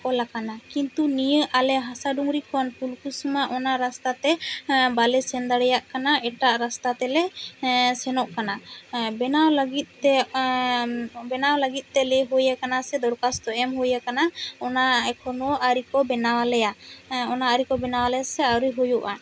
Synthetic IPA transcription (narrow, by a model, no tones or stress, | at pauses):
kɔlakanakint̪unijəʔalɛɦasaɖuŋɾikɔnpulkusumaʔɔnaɾast̪at̪ɛbalɛsɛnd̪aɽɛjaʔkanaɛʈaʔɾast̪at̪ɛlɛ | sɛnɔʔkanabɛnawləɡit̪̚ɛ | bɛnawləɡit̪̚ˀt̪ɛlɛɦojakanasɛd̪ɔɾkast̪ɔɛmɦujakanaɔnaɛkʰɔnɔʔaɾikɔbɛnawalɛjaɔnaaɾikɔbɛnawalɛjasɛawɾiɦɔjuʔa